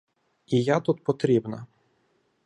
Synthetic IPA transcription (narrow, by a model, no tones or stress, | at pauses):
ijat̪ut̪̚pɔt̪ɾʲibnɐ̰